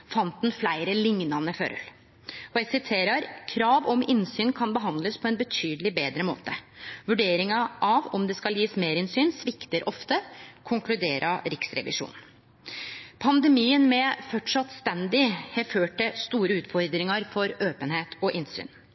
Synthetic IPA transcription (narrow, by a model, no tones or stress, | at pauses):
fɑnt̪ɛnflæɪɾəlɪŋnɑnəfø̰ɾ̰l | ɔæsɪt̪ʰeːɾɑɾkʰɾɑːʋɔmɪnsyːnkʰɑnbəɦɑnd̪ləspʰɔɛnbət̪ʰyːd̪əlɪbeːd̪ɾəmo̰ːt̪əʋʉɖeːɾɪŋɑʔɑʋɔmd̪ɛskɑljiːsmeːɾɪnsyːnsʋɪkt̪əɾʔɔft̪əkʰʊŋklʉd̪eːɾʔɑɾɪksɾɛ̰ʋɪ̰ʂṵːnn̩ | pʰɑnd̪ɛmiːənmɛfɔʈʂɑt̪st̪ɛnd̪ɪhɛføːʈəst̪uːɾəʉːt̪fɔɾd̪ɾɪŋɑɾfɔɾøːpənheːt̪ʰɔʔɪnsy̰ːn